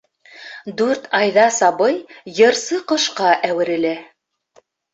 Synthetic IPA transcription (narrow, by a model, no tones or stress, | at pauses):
d̪ʉɾt̪ɑjðɑsɑβɤjjɤ̆ɾsɤqɤ̆ʃqɑʔæwɘ̆ɾɘ̆læ